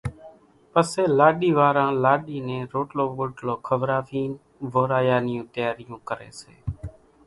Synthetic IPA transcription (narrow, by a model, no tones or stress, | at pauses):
pəseːlaːɗiːʋaːɾãːlaːɗiːnẽːɾoːʈloːɓoːʈloːkʰəʋɾaːfiːn | ʋoːɾaːjaːnɪjõːt̪əjaːɾɪjõːkəɾḛːsḛː